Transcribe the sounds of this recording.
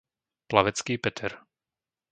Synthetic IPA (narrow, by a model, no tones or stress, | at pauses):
plaʋɛt͡skiːpɛt̪ʰɛɾ